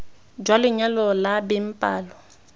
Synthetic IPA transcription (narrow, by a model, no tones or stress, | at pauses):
d͡ʒwalɪɲalɔlabɪm̩pʼaːlɔ